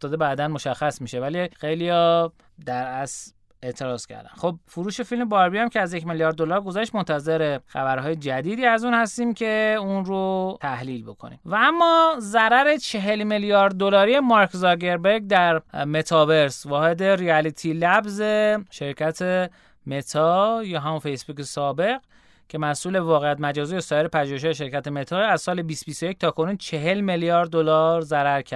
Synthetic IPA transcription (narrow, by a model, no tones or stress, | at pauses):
ft̪ɒːd̪ebæːd̪ænmo̞ʃæxːæsmiːʃe̞vælixe̞jlijɒː | d̪æɾæs | e̞ʔt̪ʰe̞ɾɒːz̥cʰæ̰ɾd̪æ̰nxo̞b̚fuɾuːʃe̞filme̞bɒːɾbiæmcʰʲeæzjecmeljɒːɾd̪ːolɒːɾɡo̞zæʃt̪mont̪ʰæze̞ɾe̞xæbæɾɦɒːjed͡ʒæd̪iːd̪iːæzuːnhæst̪iːmcʰe̞unɾot̪ʰæhliːlbo̞kʰo̰nḭmvææmːɒːzæɾæɾe̞t͡ʃʰe̞ɦe̞lmeljɒːɾd̪̚d̪olɒːɾijemɒɾkzɒɡe̞ɾbeɾɡ̚d̪æɾme̞t̪ʰɒːve̞ɾsvɒːhe̞d̪e̞ɾiælit̪ʰilæbze̞ʃe̞ɾcʰæt̪ʰe | me̞t̪ʰɒjɒːɦæmunfe̞jsbuːkesɒːbe̞ɣɡ | cʰe̞mæsʔuːlevɒːɣejæt̪mæd͡ʒɒːziːjesɒːjeɾepʰæʒuːhe̞ʃ̬ɒːjeʃe̞ɾcæt̪ʰemet̪ʰɒːæzsɒːlebiːst̪bist̪o̞jec̚t̪ʰɒːkʰo̞nuːnt͡ʃʰe̞ɦe̞lmeljɒːɾd̪̚ːolɒːɾzæɾæɾcʰæ